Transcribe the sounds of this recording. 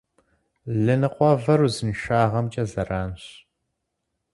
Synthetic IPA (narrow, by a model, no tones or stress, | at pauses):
ɮɨnɨqʷɔvɐɾuzɨnʃaːʁɐmt͡ʃʼɐzɐraːnɕ